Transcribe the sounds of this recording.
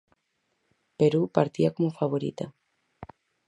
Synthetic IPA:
peɾupaɾt̪iakomofaβoɾḭt̪a

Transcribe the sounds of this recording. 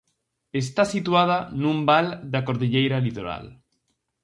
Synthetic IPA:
est̪asit̪wað̞anũmbald̪akoɾðiʎejɾalit̪oɾa̰l

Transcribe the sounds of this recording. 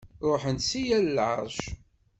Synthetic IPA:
ɾˤoħənsijællʕə̰ɾˤʒ

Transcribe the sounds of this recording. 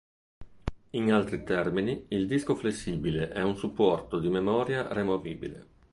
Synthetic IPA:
inalt̪ɾit̪ɛrminiild̪iskoflesːiːbileʔɛunsupːɔrt̪od̪imemɔːɾjaremoviːbḭlḛ

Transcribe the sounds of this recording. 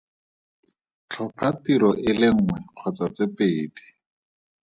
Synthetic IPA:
t͡ɬʰɔpʰatiɾɔʔɪlɪŋ̩ŋwɛq͡χʰɔt͡sat͡sepeːdi̥

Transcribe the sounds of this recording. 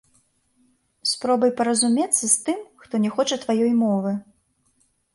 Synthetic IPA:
spɾɔbɐjpɐɾɐzumʲɛt̪sːɐst̪ɨmxt̪ɔnʲɛxɔt͡ʂɐt̪vajɔjmɔvɨ

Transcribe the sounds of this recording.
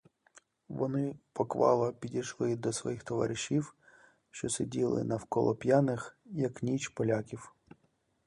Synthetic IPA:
ʋɔnɪpɔkʋɑ̰lˠɐpʲidʲiʃlˠɪd̪ɔsʋɔ̰jixt̪ɔʋɑ̰ɾɪʃiw | ʃt͡ʃɔsʲɪdʲilˠɪ̰nɐwkɔ̰lˠɔpʲjanɪxjɐknʲit͡ʃpɔlʲakʲiw

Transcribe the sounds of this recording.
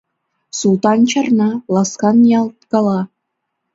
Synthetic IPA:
sulˠt̪ɑnt͡ɕɤ̆rnɑlˠɑskɑnjɑlˠt̪kɑlˠɑ

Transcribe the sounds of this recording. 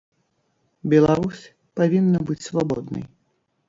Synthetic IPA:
bʲɛlˠaɾusʲ | pavʲinːɐbɨt͡sʲsvabɔd̪nɐ̰j

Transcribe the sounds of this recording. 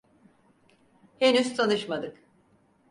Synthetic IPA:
henyz̥t̪ʰanɯʃmad̪ɯk

